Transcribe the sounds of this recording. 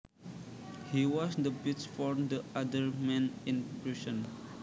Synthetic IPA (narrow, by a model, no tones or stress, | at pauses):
hiwɔsdəbit͡ʃfɔɹd̪əadəɹmɛ̃nĩnpɹiʃə̃n